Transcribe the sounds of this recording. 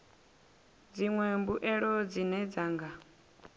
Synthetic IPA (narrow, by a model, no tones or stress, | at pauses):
d͡ziŋwɛmbuʔɛɺɔd͡zinɛd͡zaːŋɡa